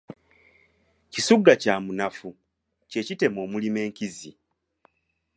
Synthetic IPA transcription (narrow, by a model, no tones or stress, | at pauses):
cisuɡːacaːmunafu | ce̞cite̞mo̞ːmulime̞ːŋkizi